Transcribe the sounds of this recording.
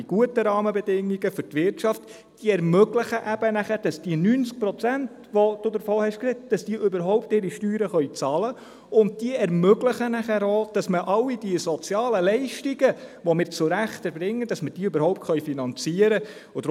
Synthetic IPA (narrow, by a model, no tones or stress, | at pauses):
iɡ̥uətəɾɑːməbɛdɪŋːiɡəfʏɾtʋɪrtʃɑft | d̥iəɛɾmøɡləχəʔæb̥ənæχæɾd̥ɑsd̥iənyːnt͡sk̚pɾɔt͡sænt | ʋɔd̥ʊdəɾfoːhɛʃkrɛt̚d̥ɑsd̥iəʔøbəɾɦɔʊpteːɾiʃtyːɾəχœʏt͡sɑːlə | ʊnd̚d̥iəɛɾmøɡləχənæχæɾoːd̥ɑsməʔɑlːid̥iəsɔt͡sjɑːləlɛɪʃtiɡəʋɔmɪːɾt͡sʊɾæχtəɾbɾɪŋːəd̥ɑsməd̥iːøbəɾɦɔʊptχœɥfinɑnt͡siəɾə | ʊd